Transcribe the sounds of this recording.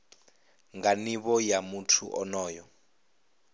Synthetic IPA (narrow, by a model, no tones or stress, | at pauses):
ŋɡaniβɔjamutʰuʔɔnɔːjɔ